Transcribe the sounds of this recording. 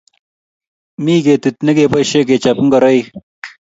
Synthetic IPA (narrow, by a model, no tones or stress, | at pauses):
miːɡeːt̪it̪nɐɡeːpɐjɕeːket͡ɕɐpŋɡɐɾɐj